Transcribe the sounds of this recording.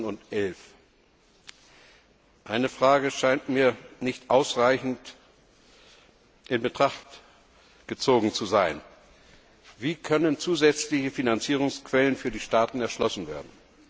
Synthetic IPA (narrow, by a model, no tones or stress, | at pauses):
nʊntʔɛlf | ʔaɪnəfʁ̥aːɡəʃaɪntmiːɐnɪçtʔaʊsʁaɪçn̩t | ʔɪnbətʁ̥aχt | ɡ̥ət͡soːɡŋ̩t͡suzaɪn | viːkʰœnənt͡suːzɛt͡slɪçəfinant͡siːʁ̞ʊŋskv̥ɛlənfyːɐdiːʃtaːtn̩ɛɐʃlɔsn̩vḛːɐdn̩